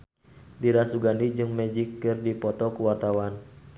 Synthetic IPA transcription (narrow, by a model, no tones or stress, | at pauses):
diɾasuɡandid͡ʒɨŋmɛd͡ʒikːɨrdipɔt̪ɔkuwart̪awan